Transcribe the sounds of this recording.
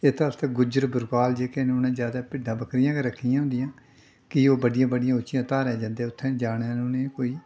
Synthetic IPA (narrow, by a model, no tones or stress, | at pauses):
ɪt̪əft̪eːɡʊd͡ʒəɾbʊɾkaːld͡ʒeːkenːnẽːzjaːd̪aːpɪɖãːbəkɾɪjãːkeːɾəkʰːijãːɦʊ̃nd̪ɪjãː | kɪoːbəɖɪjãːbəɖɪjãːʊt͡ʃːɪjãːt̪aːɾɛːd͡ʒãːnd̪eːʊt̪ʰːẽːd͡ʒaːɽ̃enõːneːkoːiː